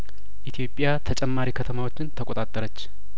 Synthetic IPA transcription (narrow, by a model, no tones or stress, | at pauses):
ʔit̪ʰijo̞pʼːjat̪ʰət͡ʃʼɛmːaɾikʰət̪ʰəmawo̞t͡ʃːɪnt̪ʰəkʼot̪ʼat̪ʼːəɾət͡ʃː